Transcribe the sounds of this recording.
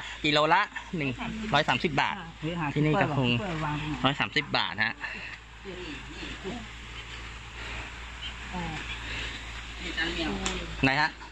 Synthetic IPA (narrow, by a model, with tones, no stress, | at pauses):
ki˧loː˧la˦˥ʔnɯ˨˩ŋɾɔː˦˥jsaː˩˦msi˨˩p̚ba̰ː˨˩t̪̚ʰiː˧˩niː˥˩ka˧˩o˧ŋ˧ɾɔː˦˥jsaː˩˦msi˨˩p̚ba̰ː˨˩t̪̚ha˦˥ʔ | ŋa˧jkʰa˦˥ʔ